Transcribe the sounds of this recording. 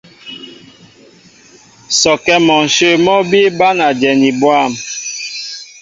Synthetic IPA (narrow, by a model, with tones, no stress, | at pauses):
sɔ˨kɛ˦mɔ˨n̩˨ʃe˦˨mɔ˦bi˦ba˦na˨d͡ʒɛ˨ni˨bwa˦˨m